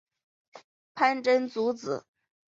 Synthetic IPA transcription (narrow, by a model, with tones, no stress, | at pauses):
pʰa˥nʈ͡ʂə˥nt͡su˧˥t͡sɹ̩˨˩˦